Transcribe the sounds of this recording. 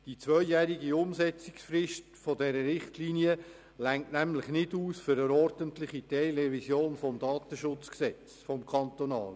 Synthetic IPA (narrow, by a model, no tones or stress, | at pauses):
d̥it͡sʋœʏjæɾiɡiʊmsɛt͡sɪ̥ksfrɪʃtfɔdɛɾəɾɪχtliːniə | læŋtnæmlɪχnɪduːsfʏɾəɾɔɾdəntlɪχitɛlɛvisjoːnfɔmdɑːt̪əʃʊt͡sksɛt͡sfɔmkʰɑnt̪onɑːl